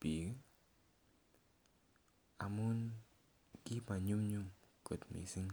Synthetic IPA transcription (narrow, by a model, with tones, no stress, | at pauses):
pi˨˦ | a̰˨mu˦n | ki˦pa˨ɲu˦mɲu˦mko˨t̪mḭ˨si˦ŋ